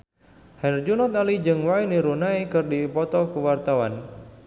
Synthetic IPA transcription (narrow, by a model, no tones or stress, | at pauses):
hɛrd͡ʒunɔt̪alid͡ʒɨŋwainiɾunaikɨrdipɔt̪ɔkuwart̪awan